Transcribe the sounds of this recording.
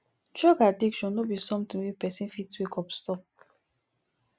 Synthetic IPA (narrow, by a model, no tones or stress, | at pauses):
d͡ʒɔɡadikʃɔ̃nːobisɔ̃mtĩwepɛsĩnfitwekɔpstɔp̚